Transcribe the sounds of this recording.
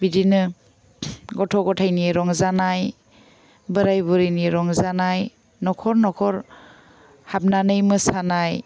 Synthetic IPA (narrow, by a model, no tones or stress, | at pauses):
bidinɯ | ɡɔtʰɔɡɔtʰajniɾɔŋzanaj | bɯɾajbuɾiniɾɔŋzanaj | nɔkʰɔɾnɔkʰɔɾ | hap̚nanɯjmɯsanaj